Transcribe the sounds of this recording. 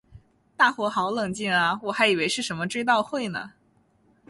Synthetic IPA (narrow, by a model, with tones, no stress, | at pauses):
t̪a˥˩xwɔ˧˥xɑ˧˥ʊlɤ˨˩ŋt͡ɕi˥˩nɐ˩wɔ˨˩xa˧˥ɪi˨˩we˧˥ɪʂɻ̩˥˩ʂə˧˥nmə˧ʈ͡ʂwe˥ɪt̪̬ɑ˥˧ʊxwe˥˩ɪnə̰˩